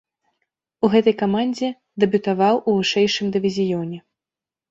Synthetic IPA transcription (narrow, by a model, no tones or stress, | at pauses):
uɣɛt̪ɐjkamanʲd͡zʲɛ | d̪ɛbʲut̪avawʔuvɨʂɛjʂɨmd̪ɨvʲizʲijɔnʲɛ